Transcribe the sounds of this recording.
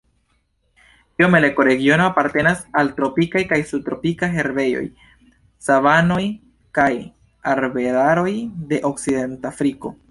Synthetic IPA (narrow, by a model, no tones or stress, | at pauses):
iome̞le̞ko̞ɾe̞ɡio̞no̞apaɾte̞nasaltɾo̞pikajkajsutɾo̞pikajɦe̞ɾbe̞jo̞̰j | savano̞j | kaj | aɾbe̞laɾo̞jde̞ʔo̞kside̞ntafɾiko̞̰